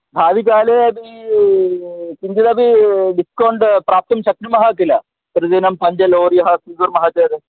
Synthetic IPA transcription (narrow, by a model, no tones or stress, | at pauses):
bʱaːʋikaːleɐbi | kiɲd͡ʒid̪ɐbiɖiskoːɳɖpɾaːp̚t̪ɐmt͡ʃɐk̪ɾimɐɦɐkilɐ | pɾɐdeːnɐmpɐɲd͡ʑɐloːɾjɐɦɐsiːzuɾmɐɦad͡ʒɐːd̪e